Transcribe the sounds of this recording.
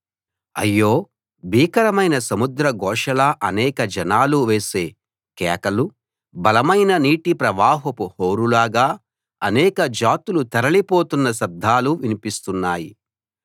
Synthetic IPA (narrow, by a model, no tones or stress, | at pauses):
ɐ̰jːo̞ː | bʱiːkɐɾɐmɐjnɐsɐmud̪ɾɐɡɔːʂɐlɐʔɐnɛːkɐd͡ʒɐnaːluʋeːse̞ː | kɛːkɐlu | bɐlɐmɐjnɐniːʈipɾɐʋaːɦɐpuhoːɾulaːɡaː | ɐnɛːkɐd͡ʒaːt̪ulut̪ɐɾɐlipo̞ːt̪unːɐs̬ɐɾd̪ʱːaːluʋinipist̪unːaːjḭ